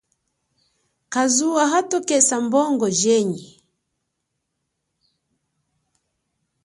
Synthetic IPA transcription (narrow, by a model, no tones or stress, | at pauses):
kazuwaɦatɔkɛsambɔŋɡɔʒɛɲi